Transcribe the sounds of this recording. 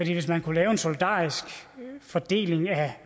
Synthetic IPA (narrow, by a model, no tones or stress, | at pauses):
d̥ḭːʋe̝s̬mænkʰulɛːʊe̝nsolid̥ɑ̰ːisɡ̥fɒd̥e̝̰ːleŋæ